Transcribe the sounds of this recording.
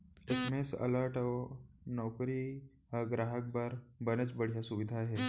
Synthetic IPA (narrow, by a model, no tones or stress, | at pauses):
esemesə̰ləɾʈaonɔwkɾiː | ɡɾaɦək̚baɾbənet͡sbəɽ̤jasuʋid̪ʱaːɦe